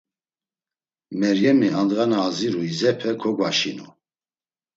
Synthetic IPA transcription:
mɛɾjɛmiand̪ʁanaːziɾuizɛpʰɛkʰɔɡwaʃinṵ

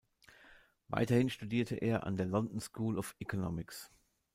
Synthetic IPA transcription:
va̰ɪtɐhɪnʃtudiːɐtʰəʔḛːɐʔa̰ndeːɐlɔndn̩skʰuːlɔfɛkʰonɔmɪks

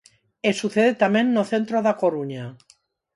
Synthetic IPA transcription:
esuθeðet̪amẽnːoθent̪ɾoðakoɾuɲa

